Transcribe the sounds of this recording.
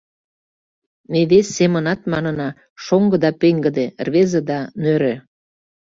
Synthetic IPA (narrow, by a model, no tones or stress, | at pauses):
meβesːemənɑt̪mɑnənɑ | ʃoŋɡɤ̆d̪ɑpeŋɡə̆d̪erβezĕd̪ɑnøɾø